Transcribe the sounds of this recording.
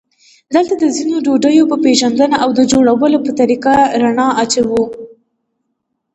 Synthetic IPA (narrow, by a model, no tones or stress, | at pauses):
d̪əlt̪ad̪əzinoɖoɖəjopəpeʒand̪ənaʔawd̪əd͡ʒoɽawəlopət̪aɾiqaɾanɑɑt͡ʃawu